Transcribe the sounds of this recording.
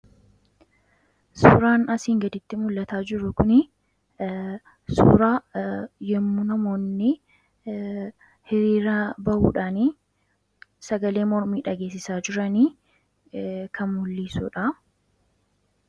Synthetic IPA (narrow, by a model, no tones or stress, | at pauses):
sṵːɾaːnɐsiːŋɡɐd̪ɪt̪ːɪmʊlːɐt̪aːd͡ʒɪɾʊkʊnɪ | sṵːɾaːjɛmːunɐmo̞ːnːɪ | hɪɾiːɾɐbɐʔṵːᶑaːniː | sɐɡɐle̞ːmɔɾmiːᶑɐɡe̞ːs̬ːɪsaːd͡ʒɪɾɐniː | kʰɐnmʊlːiːsṵːᶑɐ